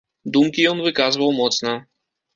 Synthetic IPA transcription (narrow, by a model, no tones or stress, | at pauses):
d̪umkʲijɔnvɨkazɨvɐwmɔt̪snɐ